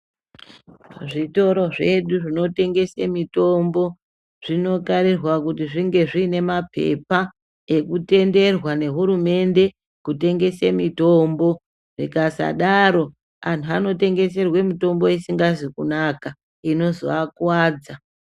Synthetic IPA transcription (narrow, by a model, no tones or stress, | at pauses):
ʐito̞ɾo̞ʐe̞ɗuʐino̞te̞ŋɡe̞semito̞mbo̞ | ʐ̥ino̞kaɾirwakutiʐiŋɡe̞ʐiːne̞mapʰe̞̰pa | e̞kute̞nde̞rwane̞ɦuɾume̞nde̞ | kute̞ŋɡe̞semitombo̞ | ʐikasa̰ɗaɾo̞ | antuano̞te̞ŋɡe̞se̞rwe̞mito̞mbo̞isiŋɡazikunaka | ino̞zo̰akwaːd͡za